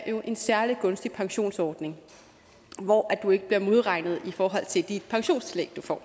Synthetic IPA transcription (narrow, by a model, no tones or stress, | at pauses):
jo̝ʔe̝nsæɐliɡ̥ɔ̽nsd̥ipʰɑ̈ŋɕo̝̰ːnsɒːd̥ne̝ŋ | ʋɒʔæd̥ue̝ɡ̥əb̥liɐmo̝ð̞ˠʁɑ̈ɪ̰nð̞̩ˠifɒːɦɒ̽l̰t͡sʰe̝ld̥id̥̚pʰɑ̈ŋɕo̝̰ːnst͡sʰileɡ̥̚d̥ufɒ̰ː